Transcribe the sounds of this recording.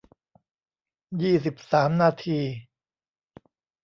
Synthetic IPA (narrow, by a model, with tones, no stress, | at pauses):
jiː˥˩s̬i˨˩p̚saː˩˦mnaː˧t̪ʰiː˧